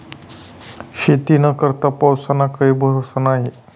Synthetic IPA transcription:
ɕet̪inəkəɾt̪apawsanakəibʱəɾsanaɦi

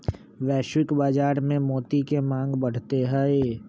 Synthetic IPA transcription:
ʋɛːʃwɪkbaːd͡ʒaːɾmẽmoːt̪ikemãːŋɡbɐɽ̤t̪eɦɛe

